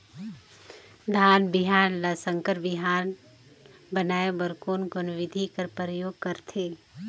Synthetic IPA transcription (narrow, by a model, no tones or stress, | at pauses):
d̪ʱaːnbɪɦaːnlasəŋkəɾbɪɦaːn | bənaːebəɾkoːnɡʊnʊʋɪd̪ʱikəɾpɾəjoːɡ̚kəɾt̪ʰeː